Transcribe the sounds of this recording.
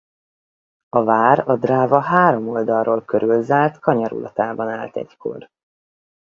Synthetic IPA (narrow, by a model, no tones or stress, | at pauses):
ɒvaːɾɒd̪raːvɒɦaːɾo̞mo̞ld̪ɒlroːlkøɾylzaːlt̪kɒɲɒɾṵlʔɒ̰t̪aːbɒnaːlt̪ɛ̰ckʰo̰r